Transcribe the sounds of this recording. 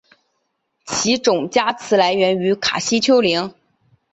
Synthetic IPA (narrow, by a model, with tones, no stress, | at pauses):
t͡ɕʰi˧˥ʈ͡ʂʊ˨˩ŋt͡ɕja˥t͡sʰɹ̩˧˥la˧˥ɪɥɛ˧˥ny˧˥kʰa̰˨˩ɕi˥t͡ɕʰjo˥ʊli˧˥ŋ